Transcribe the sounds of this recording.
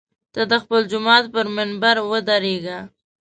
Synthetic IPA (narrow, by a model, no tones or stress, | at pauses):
t̪ad̪əxpəld͡ʒʊmɑt̪pəɾmɪnbaɾwəd̪aɾeɡa